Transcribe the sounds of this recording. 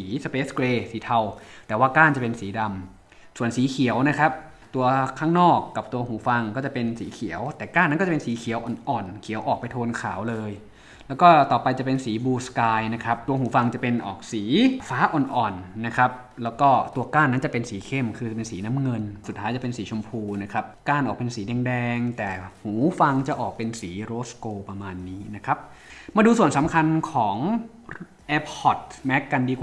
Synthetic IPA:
siː˩˦sa˧peː˦˥skleː˧siː˨˩˦t̪ʰa˧wt̪ɛː˨˩waː˥˩kaː˥˩nt͡ɕa˨˩pe˧nsiː˨˩˦da˧m | su˨˩ənsiː˩˦kʰi˩˦əwna˦˥kʰa˦˥p̚ | t̪u˧ɐkʰːaː˥˩ŋnɔː˥˩kːa˨˩p̚t̪u˧ɐhuː˨˩˦fa˧ŋkɔː˥˩t͡ɕa˨˩pe˧nsiː˩˦kʰi˨˩˦əwt̪ɛː˨˩kaː˥˩nː˦˥kɔ˥˩˨pe˧nsiː˨˩˦kʰi˨˩˦əwʔɔː˨˩nʔɔː˨˩nkʰi˨˩˦wʔɔː˨˩k̚pa˧jt̪ʰoː˧nkʰaː˩˦wlɤː˧j | lɛː˦˥wkɔː˥˩t̪ɔː˨˩pa˧jt͡ɕa˨˩pe˧nsiː˩˦buː˧skaː˧jna˦˥kʰa˦˥p̚t̪u˧ɐɦuː˩˦fa˧ŋt͡ɕa˨˩pe˧nʔɔ̰ː˨˩k̚siː˩˦faː˦˥ʔɔ˨˧nʔɔː˨˩nːa˦˥kʰɾa˦˥p̚ | lɛː˦˥wkɔː˥˩t̪u˧ɐkaː˥˩nːa˦˥nt͡ɕa˨˩pe˧nsiː˩˦kʰe˥˩mkʰɯː˧˩pe˧nsiː˩˦na˦˥mŋɤ˧nsu˨˩t̪ʰːaː˦˥jt͡ɕa˨˩pe˧nsiː˩˦t͡ɕʰo˧mpʰuː˧na˦˥kʰɾa˦˥p̚kaː˥˩nʔɔː˨˩k̚pe˧nsiː˩˦dɛː˧ŋdɛː˧ŋt̪ɛː˨˩huː˩˦fa˧ŋt͡ɕa˨˩ʔɔː˨˩k̚pe˧nsiː˩˦ɾoː˦˥skoː˧pɾa˧maː˧nːiː˦˥na˦˥kʰɾa˦˥p̚ | maː˧duː˧su˨˩ənsa˨˩˦mkʰa˧nkʰɔː˩˦ŋ | ʔɛː˦˧p̚hɔ˨˩t̪̚mɛ˦˥kːa˧ndiː˧kwa˨˩

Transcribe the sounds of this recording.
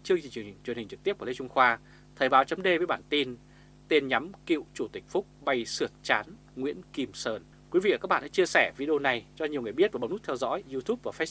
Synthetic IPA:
t͡ɕɨ˧əŋt͡ɕi˧˨˩t͡ɕwnhi˨˩ŋ̟t͡ɕɨ˨˩k̚t̪i˦˥p̚ku˧˩˨le˧t͡ɕʊ˧ŋ͡mxwaː˧ | t̪ʰəː˨˩jɓaː˨˦wt͡ɕə˨˦mɗe˧vəː˨˦jɓaː˧˩˨nt̪i˧n | t̪e˧nɲa˨˦mkḭ˧˨wt͡ɕu˧˩t̪ï˨˩k̟̚fʊ˦˥k͡p̚ɓa˧jsɨ˨˧˩ət̚t͡ɕaː˨˦n | ŋwḭ˧˥ənki˧msəː˧˩n | kwi˨˦vḭ˧˨a˨˩kaː˦˥ɓa̰ː˧˨ʔa̰˧˦t͡ɕi˧əsɛ˧˩vi˧ɗi˧o˧na˨˩jt͡ɕɔ˧ɲi˨˩əŋ˨əjɓi˦˥ət̚vaː˨˩ɓŋ͡mhu˦˥t̪ʰɛ˧wzɔ̰˧˥jzu˧t̪ʰu˦˥p̚vaː˨˩fe˦˥s

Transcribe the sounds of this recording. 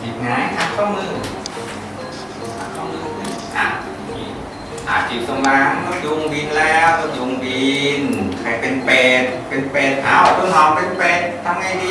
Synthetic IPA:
t͡ɕi˨˩p̚ŋaː˨˦jt̪ʰa˧˥˩p̚kɔː˧˩ŋlɨ˧ | t̪ʰa˧˥˩kɔː˧˥˩ŋlɨ˧˩ʔaː˨˩˧ḭ˧˩ | ʔa̰ː˨˩t͡ɕi˨˩t̪o˧ŋla˧˥ŋt̪ɔ˧˥nzu˧ŋbi˧nlɛː˧˥wt̪o˧zu˧ŋbi˧nkʰaː˨˩jpe˧npeː˨˩t̪̚pe˧npeː˨˩t̪̚ʔa̰˧˩wt̪o˧ŋɦɔ˨˩mpe˧npe˨˩t̪̚t̪ʰːa˧mŋa˧˩jdi˧

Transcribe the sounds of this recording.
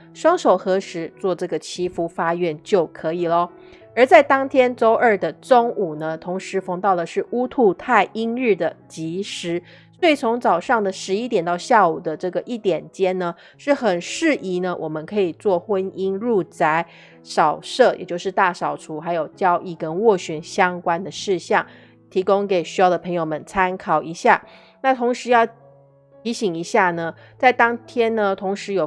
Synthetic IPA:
ʂwɑ˥ŋʂo˨˩ʊxɤ˧˥ʂɻ̩˧˥t͡swɔ˥˧ʈ͡ʂɤ˥˩ɡə˩t͡ɕʰi˥fu˥fa˥ɥɛ˥˧˩nt͡ɕjo˥˩ʊkʰɤ˧˥i˨˩lə˦ | ə˞˧˥t͡sa˥˩ɪt̪ɑ˥ŋt̪ʰjɛ˥nt͡so˥ʊʔə˞˥˩d̪ə˩ʈ͡ʂʊ˥ŋu˨˩nə˦t̪ʰo˧˥ŋʂɻ̩˧˥fɤ˧˥ŋt̪ɑ˥˩ʊd̪ə˩ʂɻ̩˥˩u˥t̪ʰu˥˧t̪ʰa˥˩ɪʔi˥ŋɻ̩˥˩d̪ə˩t͡ɕi˧˥ʂɻ̩˧˥ | swɔ˧˥i˨˩t͡sʰo˧˥ŋt͡sɑ˨˩ʊʂɑ˥˩ŋd̪ə˩ʂɻ̩˧˥i˥t̪jɛ˨˩nt̪ɑ˥˧ʊɕja˥˩u˨˩d̪ə˦ʈ͡ʂɤ˥˩ɡə˩ʔi˥˩t̪jɛ˨˩nt͡ɕjɛ˥nnə˨ | ʂɻ̩˥˩xə˨˩nʂɻ̩˥˩ʔi˧˥nə˧wʔɔ˨˩mə˦nkʰɤ˧˥i˨˩t͡swɔ˥˩xwə˦˥ni˥nɻu˥˩t͡sa˧˥ɪ | ʂɑ˨˩ʊʂɤ˥˩jɛ̰˨˩t͡ɕjo˥˧ʊʂɻ̩˥˧t̪a˥˩ʂɑ˨˩ʊʈ͡ʂʰu˧˥xa˧˥ɪjo˨˩ʊt͡ɕjɑ˥ʊʔi˥˩kə˦nwɔ˥˩ɕɛ˧˥nɕjɑ˥ŋkwa˥nd̪ə˨ʂɻ̩˥˧ɕjɑ˥˩ŋ | t̪ʰi˧˥kʊ˥ŋke˨˩ɪɕy˧˥jɑ˥˩ʊd̪ə˩pʰɤ˧˥ŋjo˧ʊmə˦nt͡sʰa˥nkʰɑ˨˩ʊi˧˥ɕja˥˩ | na˥˩t̪ʰo˧˥ŋʂɻ̩˧˥jɑ˥˩ʊ | t̪ʰi˧˥ɕi˨˩ŋi˧˥ɕja˥˩nə˩ | t͡sa˥˩ɪt̪ɑ˥ŋt̪ʰjɛ˥nnə˨t̪ʰʊ˧˥ŋʂɻ̩˧˥jo˨˩

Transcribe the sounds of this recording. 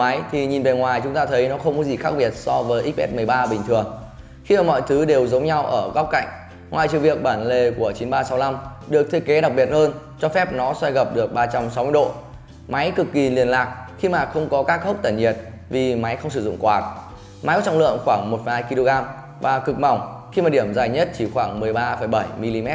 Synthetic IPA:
a˨˦jt̪ʰi˨˩ɲi˨˩nve˨˩ŋwaː˨˩jt͡ɕʊ˨˦ŋ͡mt̪aː˧t̪ʰə˨˦jnɔ˨˦xə˧wŋ͡mkɔ˨˦zi˨˩xaː˦˥ɓi˨˩ət̚sɔ˧vəː˨˦jʔi˦˥k̚ʔɛ̰˦˥t̚mɨ˨˩əjɓaː˧ɓï˨˩ŋ̟t̪ʰɨ˨˩əŋ | xi˧maː˨˩mɔ̰˧˨jt̪ʰɨ˨˦ɗe˨˩wzə˨˦wŋ͡mɲa˧wʔəː˧˩ɣa˦˥k͡p̚ka̰˧˨jŋ̟ | ŋwaː˨˩jt͡ɕɨ̰˨ŋvi˨˩ək̚ɓaː˧˩nle˨˩ku˧˩ət͡ɕi˨˦nɓaː˧sa˨˦wla˧m | ɗɨ˨˩ək̚t̪ʰe˨˧˦ke˨˦ɗa˨˩k̚ɓi˨˩ət̚həː˧nt͡ɕɔ˧fɛ˦˥p̚nɔ˨˦swa˧jɣə˨˩p̚ɗɨ˨˩ək̚ɓaː˧t͡ɕa˧msa˨˦wmɨ˧ə˧ɗo̰˧˨ | ma˨˦jkɨ˨˩kːi˨˩li˨˩ənlaː˨˩k̚xi˧maː˨˩xə˧wŋ͡mkɔ˨˦kaː˦˥k̚hə˦˥k͡p̚t̪ə˧˩nɲi˨˩ət̚ | vi˨˩ma˨˦jxə˧wŋ͡ms̬ɨ˧˩zʊ̰˧˨ŋ͡mkwaː˨˩k̚ | ma˨˦jkɔ˨˦t͡ɕŋ͡mlɨ̰˧˨əŋxwaː˧˩ŋmo˨˩t̚fə˨˩haː˧jki˧lo˧ɣaː˧m | vaː˨˩kɨ˨˩k̚ma˨˩wŋ͡m | xi˧maː˨˩ɗi˧˩əmzaː˨˩jɲə˦˥t̚t͡ɕi˧˩xwaː˧˩ŋmɨ˨˩əjɓaː˧fə˧˩jɓə˧˩jmi˧li˧mɛ˦˥t̚

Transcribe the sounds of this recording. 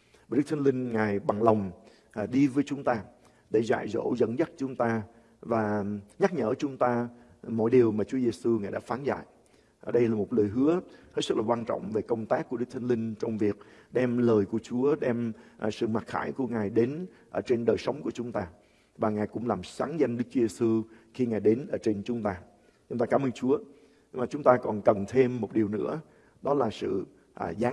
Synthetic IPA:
ɗ̚t̪ʰŋnlï˧ŋ̟ŋaː˨˩jɓa˨˩ŋla˨˩wŋ͡m | ɗi˧vəː˨˦jt͡ɕʊ˨˦ŋ͡mt̪aː˧ | ɗe˧˩za̰ː˧˨jzo̰˧˩zə̰˧˥nzə˦˥t̚t͡ɕʊ˨˦ŋ͡mt̪aː˧ | vaː˨˩ɲa˦˥k̚ɲəː˧˩t͡ɕʊ˨˦ŋ͡mt̪aː˧ | mɔ̰˧˥jɗi˨˩əwmaː˨˩t͡ɕu˨˦əze˧su˧ŋaː˨˩jɗa̰ː˧˥faː˨˦nza̰ː˧˨j | ɗə˧jlaː˨˩mo˨˩t̚ləː˨˩jɦɨ˨˦əhe˦˥t̚sk̚laː˨˩waː˧nt͡ɕɔ̰˧˨wŋ͡mve˨˩kə˧wŋ͡mt̪aː˦˥k̚kːu˧˩ɗɨ˦˥k̚t̪ʰnlï˧ŋ̟t͡ɕɔ˧wŋ͡mvi˨˩ək̚ɗɛ˧mləː˨˩jku˧˩ət͡ɕu˨˦əɗɛ˧mʔsɨ̰˧˨ma˨˩t̚xaː˧˩jku˧˩əŋaː˨˩jɗe˨˦nʔəː˧˩t͡ɕe˧nɗəː˨˩jsə˨˦wŋ͡mku˧˩ət͡ɕʊ˨˦ŋ͡mt̪aː˧ | vaː˨˩ŋaː˨˩jkʊ̰˧˥ŋ͡mlaː˨˩msaː˨˦nza˧ŋɗɨ˦˥k̚t͡ɕu˦ze˧su˧ | xi˧ŋaː˨˩jɗe˨˦nʔəː˧˩t͡ɕe˧nt͡ɕʊ˨˦ŋ͡mt̪aː˧ | t͡ɕʊ˧˦ŋ͡mt̪aː˧kaː˧˦məː˧nt͡ɕu˨˦ə | ɲ˧maː˨˩t͡ɕʊ˨˦ŋ͡mt̪aː˧kɔ˨˩nkə˨˩nt̪ʰe˧mːo˨˩t̚ɗi˨˩əwnɨ̰˧˥ə | ɗɔ˨˦laː˨˩sɨ̰˧˨ | ʔzaː˨˦

